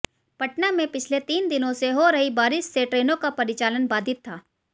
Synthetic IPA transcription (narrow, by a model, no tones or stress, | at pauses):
pɐʈnamẽpɪt͡ʃʰlet̪iːnd̪ɪnõseɦoɾɐɦibaːɾɪʃseʈɾeːnõkapɐɾɪt͡ʃaːlənbaːd̪ʱɪt̪ʰːaː